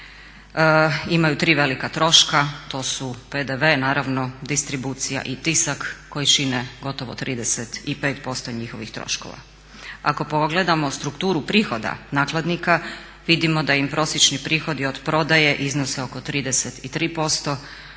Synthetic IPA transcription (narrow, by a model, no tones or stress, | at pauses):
imajut̪ɾiːʋe̞likat̪ɾo̞ʃkat̪o̞ːsuped̪eʋe̞naːɾaʋno̞d̪ist̪ɾibuːt̪sija̰ʔit̪isakːo̞jit͡ʃineɡo̞t̪oʋo̰t̪ɾʔiːd̪eset̪ipe̞ːt̪po̞st̪o̞ɲixo̞ʋixt̪ɾo̞̰ʃko̰ʋa̰ | ako̞poɡled̪amo̞st̪ɾukt̪uːɾupɾiːxo̞d̪a̰naːklˠad̪nika | ʋid̪imo̞d̪aimpɾʔo̞sjet͡ʃnipɾiːxo̞d̪iod̪pɾo̞d̪aje̞ʔiznoseo̞kot̪ɾiːd̪e̞set̪it̪ɾiːpo̞st̪o̞